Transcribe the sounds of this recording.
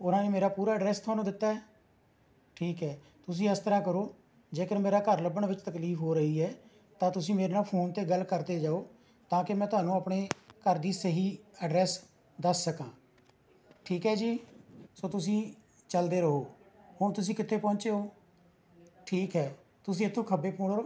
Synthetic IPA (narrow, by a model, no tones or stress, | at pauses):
ʊnãːneːmeːɾaːpuːɾaːəɖɾɛːst̪ʰʊaːnũːd̪ɪt̪ːaːɛː | ʈʰiːkɦɛː | t̪ʊs̬ĩːɪst̪əɾãːkəɾoː | d͡ʒeːkəɾmeːɾaːkəɾləbəɳʋɪt͡ʃt̪əkliːfʰɦoːɾəɦiːɛː | t̪ãːt̪ʊsĩːmeːɾeːnaːpʰoːnt̪eːɡəlkəɾd̪eːd͡ʒaːoː | t̪ãːkɪmɛ̃ːt̪ʊɦaːnũːəpɳeːkəɾd̪iːsəɦiːəɖɾɛːs | d̪əsːəkãː | ʈʰiːkɦɛːd͡ʒiːsoːt̪ʊs̬ĩː | t͡ʃəld̪eːɾəɦoː | hʊɳt̪ʊs̬ĩːkɪt̪ʰːeːpɔ̃ːnt͡ʃeːoː | ʈʰiːkɦɛː | t̪ʊsĩːɪt̪ʰːõːkʰəbeːpõːɽoː